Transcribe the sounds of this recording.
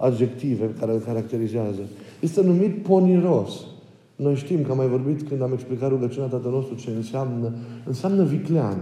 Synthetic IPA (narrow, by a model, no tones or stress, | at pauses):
ad̪d͡ʒekt̪ivekaɾelkaɾak̚t̪eɾizeazəjest̪enumit̪̚poniɾos | nojʃt̪imkəamajvorbit̪kɨnd̪ameksplikat̪ɾuɡət͡ʃunat̪at̪ənost̪ɾut͡ʃeɨnsiamnəɨnsiamnəviklean